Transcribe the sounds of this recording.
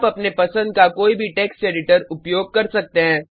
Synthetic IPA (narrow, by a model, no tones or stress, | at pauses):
pɐpnepɐsə̃nd̪̚kakoːibʱiʈɛːkseːɖɪʈəɾʊpjoːɡ̚kɐɾsɐk̚t̪eɦɛ̃ː